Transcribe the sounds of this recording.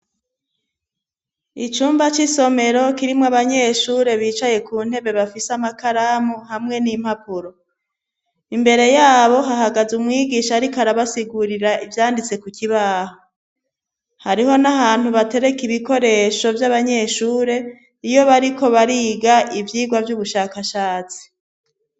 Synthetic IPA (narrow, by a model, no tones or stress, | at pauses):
it͡ʃuːmbat͡ʃiso̞me̞ɾo̞kiɾimŋoaβaɲe̞ʃuːɾe̞βiːt͡ʃaje̞kuːn̥he̞βe̞βafisamakaɾamuhamŋe̞nim̥hapuɾo̞ | imbe̞ɾe̞jaːβo̞ɦaɦaɡazumŋiːɡiʃaɾikaɾaβasiɡuɾiɾaʔivjaːndit͡se̞kukiβaːho | haɾiɦo̞naɦaːn̥huβate̞ɾe̞kiβiko̞ɾe̞ʃo̞vjaβaɲe̞ːʃuːɾe̞ | ijo̞βaɾikʰo̞βaɾiɡaʔivjiːɡwavjuβuʃakaʃaːt͡si̥